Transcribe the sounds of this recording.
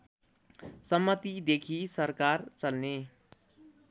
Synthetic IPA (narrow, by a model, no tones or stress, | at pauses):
sʌmːʌt̪id̪ekʰisʌɾkart͡sʌlne